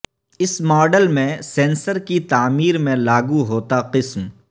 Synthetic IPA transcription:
ɪsmɔːɖəlmẽsẽːnsəɾkit̪aːmiːɾmẽlaːɡuɦoːt̪aqɪsm

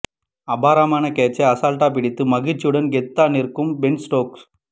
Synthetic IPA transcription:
ɐbaːɾaːmaːnɐkeːt͡ʃːɐɐsaːlʈaːp̬ɪɽɪt̪ːɯmɐɣɪt͡ʃːɯɽɐnɡɛt̪ːaːnɪɾkɯmbɛɳsʈoːks

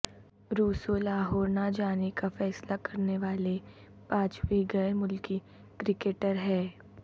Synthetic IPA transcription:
ɾuːsolaːɦɔːɾnad͡ʒaːnekafɛːslakɐɾneʋaːle | pãːt͡ʃwiɡɐmʊlki | kɾɪkeːʈəɾɦɛː

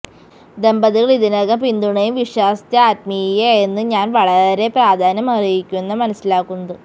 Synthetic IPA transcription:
d̪embɐðiɣɐɭiðinɐɣɐpind̪uɳɐjumʋiʂwaːst̪jɐaːt̪mijɐenːɨɲaːnʋɐɭɐɾe̞praːd̪ʱaːnɐmɐrijikʲːumenːɐmɐnɐsːilaːkːunːɐðɨ

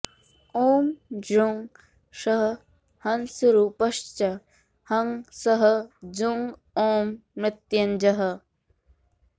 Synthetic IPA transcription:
oːmd͡ʒuŋɡ | ʃɐɦə | hɐnsuɾupɐʃt͡ʃɐ | hɐŋsɐɦɐ̆d͡ʒuŋɡ | oːmɾɪt̪jɐnd͡ʒɐɦɐ̆

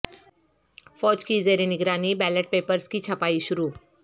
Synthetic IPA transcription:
fɔːd͡ʒkizeːɾenɪɡɾaːnibɛːləʈ̚peːpəɾskit͡ʃʰɐpaːiʃʊɾuː

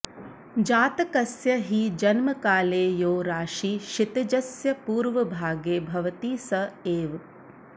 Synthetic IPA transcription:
d͡ʒaːt̪ɐkɐsjɐɦid͡ʒɐnmɐkaːleːjoːɾaːʃiːʃit̪ɐd͡ʒɐsjɐpuːɾʋɐbʱaːɡeːbʱɐʋɐt̪iːsɐeːʋ

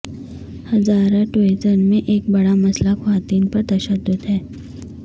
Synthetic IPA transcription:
hɐzaːɾaʈoezənmẽʔeːk̚bɐɽamɐslaxʋaːt̪iːnpɐɾt̪ɐʃəd̪ːʊd̪ɦɛː

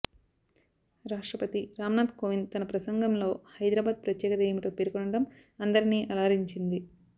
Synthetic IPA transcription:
ɾaːʂʈɾɐpɐt̪iɾaːmɐnaːd̪koːʋint̪ɐnɐpɾɐsɐŋɡɐmlo̞ːhɐjd̪ɾaːbaːd̪̚pɾɐt̪jɛːkɐd̪ɛːjɐmuʈoːpeɾukɔɳɐɽɐm | ɐnd̪ɐɾiniːʔɐlaːɾiɲt͡ʃind̪i

